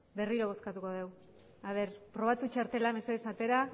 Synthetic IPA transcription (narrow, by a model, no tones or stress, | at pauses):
be̞riɾo̞β̞o̞skat̪uko̞ðe̞w | aβ̞e̞ɾpɾo̞β̞at̪ut͡ʃaɾt̪e̞lame̞sesat̪e̞ɾa